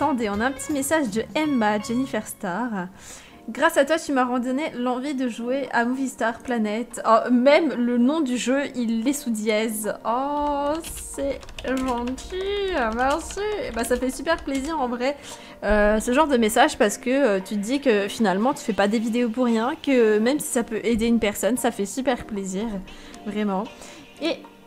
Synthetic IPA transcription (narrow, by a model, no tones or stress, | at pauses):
at̪ɑ̃d̪eɔ̃naɛ̃pət̪imesaʒd̪əɛmad͡ʒenifɛʁst̪aʁ | ɡʁasat̪wat̪ymaʁɑ̃d̪ɔnelɑ̃vid̪əʒueʔamuvist̪aʁplanɛt̪ɔmɛmlənɔ̃d̪yʒøilːɛsud̪jɛzɔ | sɛ | ʒɑ̃t̪ʰimɛsybasafɛsypɛʁpleziʁɑ̃vʁɛ | øsəʒɑ̃ʁd̪əmesaʒpaʁsə̥kəøt̪yd̪ikəfinalmɑ̃t̪y̥fɛpad̪evid̪eopuʁːjɛ̃kəmɛmsi̥sapøʔed̪eynpɛʁsɔnsafɛsypɛʁpleziːʁ | vʁɛmɑ̃ | e